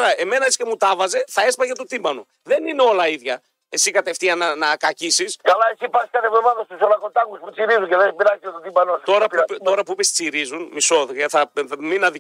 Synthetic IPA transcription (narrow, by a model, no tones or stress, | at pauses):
ɾɐe̞me̞nɐiscemut̪ɐvɐze̞θɐe̞spɐʝɐt̪ot̪imbɐnu | ðe̞nineo̞lɐiðʝɐ | e̞sikɐt̪e̞ft̪iɐnɐnɐkɐcisiskɐlɐesipɐskɐt̪evomɐðɐst̪usolɐkot̪ɐkusput͡siɾizuceðepiɾɐzɐt̪ot̪imbɐnost̪o̞ɾɐpt̪o̞ɾɐpuipest͡siɾizunmiso̞ðeθɐminɐði